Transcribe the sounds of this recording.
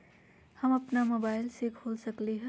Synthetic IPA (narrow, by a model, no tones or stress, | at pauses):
həməpnamobajlsekʰolsəkliɦ